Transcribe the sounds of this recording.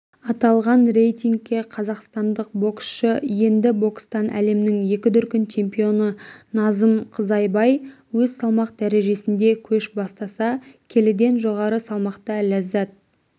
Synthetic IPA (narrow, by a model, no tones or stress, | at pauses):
ɑt̪ɑlˠʁɑnre̞jt̪ʲiŋɡ̚kʲːeqʰɑzɑqst̪ɑnd̪əq̚bo̞ksʃəje̞nd̪ɪbo̞kst̪ɑnʔæ̰le̞mnɪŋje̞kʲɪd̪ʏɾkʲɪnt͡ʃʰe̞mpijo̞nənɑzəmqʰəzɑjbɑj | wɵzsɑlˠmɑq̚d̪æɾe̞ʒe̞sɪnd̪e̞kʲʰɵʃbɑst̪ɑsɑkʲʰe̞lɪd̪e̞nʒo̞ʁɑɾəsɑlˠmɑqt̪ɑlæzæt̪̚